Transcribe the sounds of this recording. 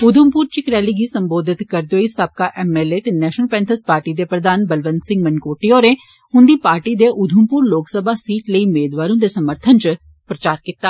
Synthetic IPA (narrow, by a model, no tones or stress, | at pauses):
ʊd̪ʱʊmpuːɾt͡ʃɪkɾɛːliːɡiːsəmboːd̪ɪt̪kəɾd̪eoːiːsəb̚kaːʔɛːmɛːleːt̪eːnɛːʃnəlpɛ̃ːnt̪ʰəspaːɾʈiːd̪eːpɾəd̪aːnbəlʋənsɪ̃ŋɡmənkoːʈiːoːɾẽː | ɦʊ̃nd̪iːpaːɾʈiːd̪eːʔʊd̪ʱʊmpuːɾloːksəbʱaːsiːʈləiːmeːd̪ʋaːɾõːd̪eːsəməɾt̪ʰənt͡ʃ | pɾət͡ʃaːɾkit̪ːaː